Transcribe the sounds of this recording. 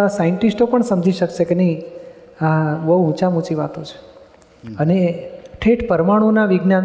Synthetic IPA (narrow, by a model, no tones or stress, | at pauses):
asajəɳʈisʈopəɳsəmd͡ʒʱiʃəkʃekenəɦĩ | aʋəũt͡ʃamũt͡ʃiʋa̰t̪ot͡ʃʰe̥ | əneʈʰeʈpəɾmaɽ̃ũnaʋiɡnan